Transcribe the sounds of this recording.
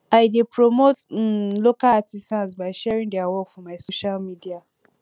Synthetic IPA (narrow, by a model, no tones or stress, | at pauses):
aɪdepɹomotlokalatistãnsbaɪʃɛɹĩŋdɛawɔkfɔmaɪsoʃalmidia